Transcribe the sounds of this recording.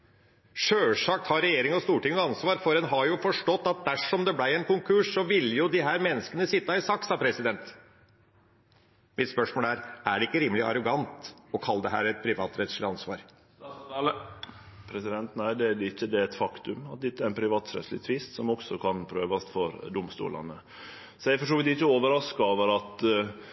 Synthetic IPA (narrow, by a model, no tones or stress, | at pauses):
ʂøːʂɑk̚t̪hɑɾɛjeːɾɪŋɔst̪uːʈɪŋːnəɑnsʋɑːɾfɔɾɛnɦɑɾjʊfɔʂʈɔt̪ːɑt̪̚d̪æʂɔmd̪ɛblæɪɛnkʊŋkʰʉʂsɔʋɪlːəjʊd̪ɪɦæːɾmɛnːəskənəsɪt̪ːɑɪsɑksɑpʰɾɛsɪd̪ɛnt̪ | mɪt̪spœʂmoːlæːɾæɖɛɪkːəɾiːməlɪɑ̰ɾɔɡɑnt̪ɔkʰɑlːəd̪ɛɦæ̰ːɾɛt̪̚pʰɾɪʋɑːt̪ɾɛt̪ʂlɪɑnsʋɑ̰ːɾ | pʰɾɛsɪd̪ɛnt̪næɪd̪ɛæd̪ɛɪçːəd̪ɛɛt̪fɑkt̪ʉmɑt̪̚d̪ɪt̪ːæɾɛnpʰɾɪʋɑːt̪sɾɛ̰t̪slɪ̰t̪ʰʋɪst̪sɔmɔksɔkʰɑnpʰɾøːʋɑst̪fɔɾd̪ʊmst̪ṵːlɑ̰nə | sɔɛɪfɔʂoːʋɪlɪçːəoːʋəɾɑskoːʋəɾɑt̪